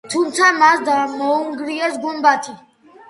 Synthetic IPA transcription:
t̪ʰumt̪sʰamasd̪amɔuŋɡɾiɛsɡumbat̪ʰi

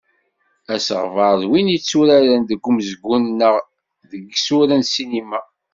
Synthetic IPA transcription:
æsʁvəɾðwinit͡sːuɾaɾænd̪əɡːumzəɡːunnəʁ | ðəɡsuɾænsinima

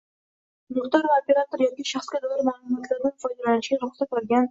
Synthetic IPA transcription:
mʊχt̪aɾɪmopeɾat̪oɾjɒkʲiʃaχskʲad̪olaɾmaːlˠumɒt̪ʰlaɾnɪnfɒjd̪alanɪʃɡʲaɾʊχsat̪baɾɡʲan

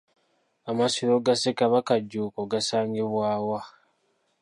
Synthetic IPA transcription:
amasiɾoɡasekaβakaɟːuːkoɡasaːŋɡeβwaːwa

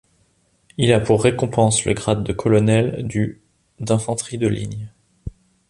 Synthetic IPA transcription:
ilapuʁːekɔ̃pɑ̃slə̰ɡʁad̪ːəkʰɔlɔnɛld̪y | d̪ɛ̃fɑ̃t̪χid̪əlḭɲ

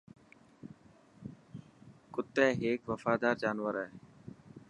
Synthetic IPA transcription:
kʊt̪ːɛːɦeːkʋəfaːd̪aːɾd͡ʒaːnʋəɾaːɦe

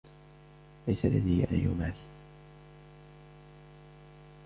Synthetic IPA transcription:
lajsalːa̰ðiʔa̰jjʊ̰maːl

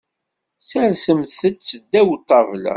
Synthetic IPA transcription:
sæɾsəmθət͡sːəd̪ːæwt̪ˤːɑvlæ̰

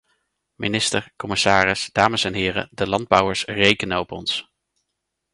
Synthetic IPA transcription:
mɪnɪstəɹkɔmɪsaːrɪsd̥aːməsɛnɦɪːrə̰dəlɑnd̚bʌwəɹsrejkənəɔpɔ̰ns

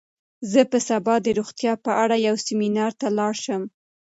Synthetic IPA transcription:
zəpəsabɑd̪əɾuɣt̪jɑpəʔaɽajawsɪminɑɾt̪alɑɾʃəm

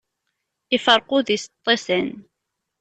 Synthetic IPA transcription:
ɪfəɾˤquðist̪ˤːesən

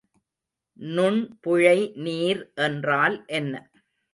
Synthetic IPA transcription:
nʊɳpʊɻɐɪniːɾʔɛndraːlʔɛnːɐ

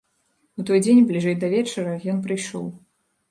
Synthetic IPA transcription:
ut̪ɔjd͡zʲenʲblʲiʐɛjd̪ɐvʲɛt͡ʂɐɾɐjɔnpɾɨjʂɔ̰w

